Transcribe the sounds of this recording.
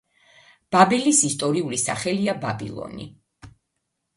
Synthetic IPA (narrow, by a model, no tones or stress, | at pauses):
b̥abɛlisist̪ʼɔɾiulisa̰χɛliababḭlˠɔ̰nḭ